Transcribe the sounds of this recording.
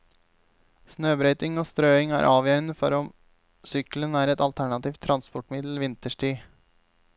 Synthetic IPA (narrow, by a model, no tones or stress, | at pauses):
snøːbɾœʏt̪ɪŋoːst̪ɾøːɪŋæ̰ːɾʔɑːʋjøːɾənəfɔ̰ɾɔm | sʏklənæːɾɛt̪ɑlt̪ʰæɳɑt̪iːft̪ʰɾʔɑnspɔʈmɪd̪l̩ʋɪnt̪əʂʈiː